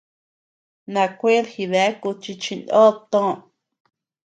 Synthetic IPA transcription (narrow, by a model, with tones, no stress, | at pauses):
nã˧˨kʷe˦lhi˧˨βe˨˦ku˧t͡ʃi˧t͡ʃĩ˧nd̪o˦t̪õ˦˨